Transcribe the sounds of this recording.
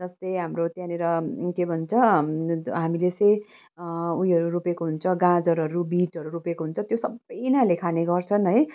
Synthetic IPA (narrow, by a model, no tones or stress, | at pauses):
d͡zʌst̪ʌjɦamrot̪jãneɾʌkebʱʌnt͡sʰʌ | ɦamilet͡sʌj̃ | ujʌɾuɾupekoɦunt͡sʰʌɡãd͡zʌɾɦʌɾubiʈʌɾuɾupekoɦunt͡sʰʌt̪josʌbʌjnalekʰaneɡʌrt͡sʰʌnɦʌj